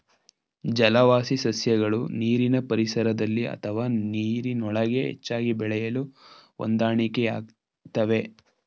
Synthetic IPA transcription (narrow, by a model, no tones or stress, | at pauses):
d͡ʒɐlɐʋaːsisɐsjɐɡɐɭuniːɾinɐpɐɾisɐɾɐd̪ɐlːiɐ̰t̪ʰɐʋaːniːɾinɔɭɐɡe̞ɦḛt͡ʃːaːɡibɛɭɛjɐluo̰nd̪aːɳikeaːɡ̚ | t̪ɐʋe̞